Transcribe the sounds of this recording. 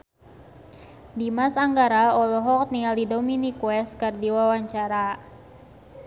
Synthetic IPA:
dimasaŋɡaɾaɔlɔɦɔk̚nialidɔminikwɛskərdiwawaɲt͡ʃaɾa

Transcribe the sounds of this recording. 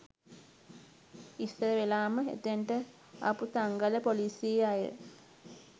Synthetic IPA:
isəɾəʋelaːməḛt̪eɳʈə | a̰put̪aŋɡaləpoliːsieajə̰

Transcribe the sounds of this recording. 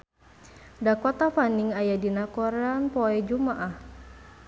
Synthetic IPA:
dakɔt̪afaniŋajadinakɔɾɛanpɔɛd͡ʒumaʔah

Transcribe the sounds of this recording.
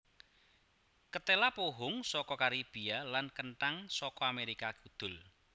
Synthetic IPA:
kət̪elapoɦʊŋsɔkɔkaɾib̥ialankəɳʈaŋsɔkɔameɾikakud̪̥ʊ̤l

